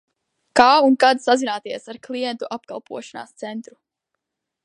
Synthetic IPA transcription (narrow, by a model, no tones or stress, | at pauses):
kaːunkad̪sazinaːt̪iɛsaɾklˠijɛnt̪uʔapkalˠpuɔʃana̰ːst̪sɛnt̪ɾu